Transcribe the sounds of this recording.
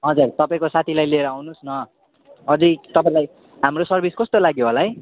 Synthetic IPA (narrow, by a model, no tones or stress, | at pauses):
ɦʌd͡zurt̪ʌpaĩkosat̪ʰilajlieɾʌawnusnʌ | ʌd͡zit̪ʌpãĩlaj | ɦamrosʌrbʱiskʌst̪olaɡjoɦolaɦʌj